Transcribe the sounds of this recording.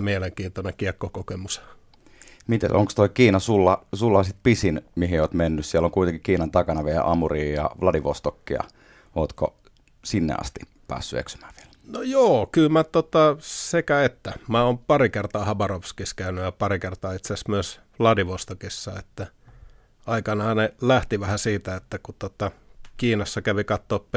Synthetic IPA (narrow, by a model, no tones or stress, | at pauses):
mieleŋkiːnt̪onekiɛkːokokemus | mit̪ḛso̰ŋkst̪oikiːnɑsulːɑsulːɑsit̪̚pisinmiɦioːt̪menːyssielːoŋkuit̪eŋkikiːnɑnt̪ɑkɑnɑʋiel̰ʔɑmuriːjɑ̰ʋlɑdiʋost̪okːiɑ̰ | oːt̪ko̰ | sinːḛɑ̰st̪i̥ | pæ̰ːsːyḛksy̥mæ̥ːʋie̥lnojoːkylmæt̪ot̪ɑsekæet̪ːæmæoːmpɑrikert̪ɑːhɑbɑrofskiskæynyjɑpɑrikert̪ɑːit̪sæsmyøs | lɑdiʋost̪okisːɑḛt̪ːæ | ɑikɑnɑhɑnelæht̪iʋæhæsiːt̪æet̪ːækut̪ot̪ːɑkiːnɑsːɑkæʋikɑt̪ːoːpp